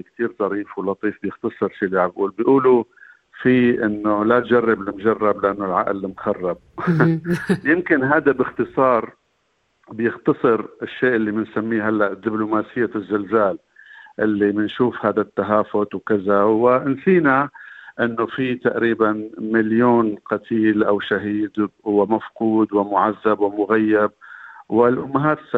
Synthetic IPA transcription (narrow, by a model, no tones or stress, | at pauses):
kt̪iːɾzˤɑɾiːfwlɑt̪ˤiːfbjɪxt̪ɑsˤɨɾʃiːlaʕabʔuːlbjʔuːlu | fiʔɪnːolat̪d͡ʒarˤːɪblɪmʒarˤːɑblɪʔanːʊlʕa̰ʔlmxɑrˤːɑb̚ | jɪmkɪnɦaːd̪abɪxt̪ɨsˤɑːɾˤ | bjɪxt̪ɑsˤɨɾɪʃːeːʔɪlːimɪnsamːiːɦalːaʔd̪ːɪblʊmaːsɪjːazːʊlzaːl | ʔɪlːimɪnʃuːfhaːd̪at̪ːaɦaːfʊt̪wkɪzawɪnsiːnaʔɪnːofit̪aʔɾiːbanmɪljoːnqɑt̪ʰiːlʔawʃaɦiːd̪wɪmafquːd̪wɪmʊʕazːabwɪmʊɣajːab̚wɪlʔʊmːaɦaːt̪sa